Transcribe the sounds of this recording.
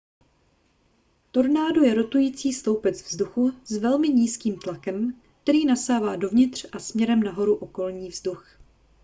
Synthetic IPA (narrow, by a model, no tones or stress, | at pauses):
t̪o̞ɾnaːdujɛɾo̞t̪ujiːt͡siːst̪o̞wpɛt͡svzduxuzvɛlmɪɲiːskiːmt̪lakɛm | k̚t̪ɛɾiːnasaːvaːdo̞vɲɪt̪r̝̥ʔasmɲɛɾɛmnaɦo̞ɾuʔo̞ko̞lɲiːvzdux